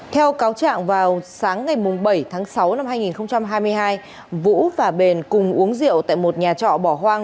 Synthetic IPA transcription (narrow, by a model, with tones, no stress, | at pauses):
t̪ʰɛ˧wkaː˨˦wt͡ɕa̰ː˧˨ŋvaː˨˩wsaː˨˦ŋːa˨˩jmʊ˨˩ŋ͡mɓə˧˩jt̪ʰaː˨˦ŋsa˨˦wna˧mɦaː˧jŋi˨˩nxə˧wŋ͡mt͡ɕa˧mɦaː˧jmɨ˧əjɦaː˧j | vṵ˧˥vaː˨˩ɓe˨˩nkʊ˨˩ŋ͡mʔu˨˦əŋzḭ˧˨əwt̪a̰ː˧˨jmo˨˩t̚ɲaː˨˩t͡ɕɔ̰˧˨ɓɔ˧˩ɦwaː˧ŋ